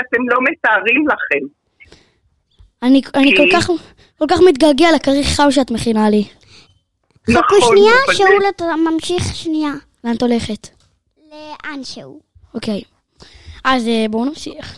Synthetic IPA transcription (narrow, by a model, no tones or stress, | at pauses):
at̪emlo̞metaːʁimlaχem | anianikolkaχ | ko̞lkaχmit̪̚ɡalɡealekaʁiχːamʃ̬eat̪meχinali | χakuʃniaʃeulatmamʃiχʃnia | lant̪o̞le̞χet | leʔanʃeṵ | okej | azebonamʃiaχ